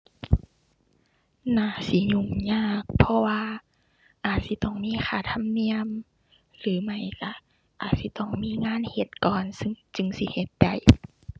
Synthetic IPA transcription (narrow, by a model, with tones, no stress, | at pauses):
naː˧˩si˧˦ɲu˧˩ŋɲaː˧˩˨k̚pʰɔ˧waː˧ | ʔaː˨˩t̪̚si˧˦t̪ɔ˧˩ŋmiː˧˥˨xʰaː˧˩t̪ʰa˧˥˨mni˧əm | lɯː˨˦ma˧˩jka˧˦ | ʔaː˨˩t̪̚si˧˦t̪ɔ˧˩ŋmiː˧˥˨ŋaː˧˥˨nhe˧˦t̪̚kɔː˨nsɯ˧ŋt͡ɕɯ˧˨ŋsi˧˦he˧˦t̪̚da˧˩j